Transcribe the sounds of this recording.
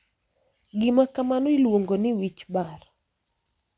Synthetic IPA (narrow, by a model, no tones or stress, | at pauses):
ɡɪmakamanoilwoŋɡonɪwit͡ʃbar